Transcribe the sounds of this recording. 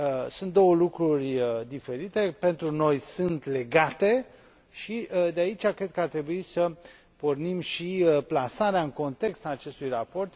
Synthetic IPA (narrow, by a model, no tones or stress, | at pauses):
sunt̪̚d̪o̞wəlukɾurʲd̪ife̞ɾit̪e̞pe̞nt̪ɾuno̞jsɨnt̪le̞ɡat̪e̞ | ʃiəd̪eait͡ʃʲakɾe̞d̪̚kəart̪ɾe̞buisə | pornimʃiplasaɾeaɨŋko̞nt̪e̞kst̪aːt͡ʃe̞st̪ujrapo̞rt̪